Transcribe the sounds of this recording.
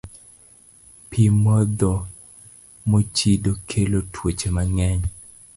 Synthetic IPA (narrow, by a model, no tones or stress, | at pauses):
pimɔd̪ɔ | mot͡ʃidokʰelotʰwot͡ʃemaŋɛɲ